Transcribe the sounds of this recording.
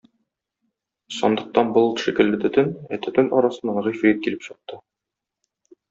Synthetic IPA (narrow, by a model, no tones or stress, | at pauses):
sɒ̰nd̪ɤ̆q̚t̪ɑnbolˠt̪ʃikɘ̆lːɘt̪ɵ̆t̪ɵnæt̪ʰɵ̆t̪ɵnʔɒɾɑsɤ̆nːɑɴʁɵjfit̪kilɘpɕɤ̆q̚t̪ɤ